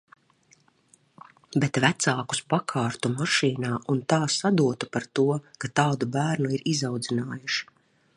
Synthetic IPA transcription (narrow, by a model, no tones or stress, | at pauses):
bet̪væt̪saːku̥spakʰaːɾt̪umaʃiːnaːunt̪aːsad̪uɔt̪upaɾt̪uɔkat̪aːd̪ubæːɾnuiɾizawd̪zinaːjuʃi̥